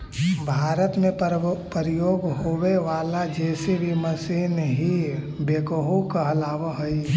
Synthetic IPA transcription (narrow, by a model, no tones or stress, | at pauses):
bʱaːɾət̪mẽpəɾɪjoːɡɦoweʋaːlad͡ʒɛːsebʱiməseːnɦi | beːkoɦukaɐlaːʋaɦəi